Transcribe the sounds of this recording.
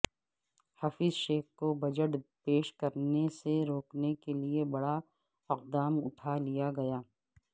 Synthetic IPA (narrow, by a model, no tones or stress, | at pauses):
hafɪzʃeːkkobɐd͡ʒəʈpeːʃkɐɾneseɾoːknekeliebɐɽa | ɪq̚d̪aːmʊ̰ʈʰalijaɡɐjaː